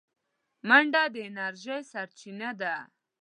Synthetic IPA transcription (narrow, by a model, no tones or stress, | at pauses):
maɳɖɑd̪əɪnaɾʒajsaɾt͡ʃinad̪a